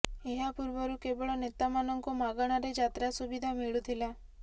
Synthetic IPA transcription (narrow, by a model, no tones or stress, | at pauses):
eɦapuɾʋəɾukebəɭɔnet̪amanɔŋkomaɡəɽ̃aɾed͡ʒat̪ɾasubid̪ʱamiɭut̪ʰila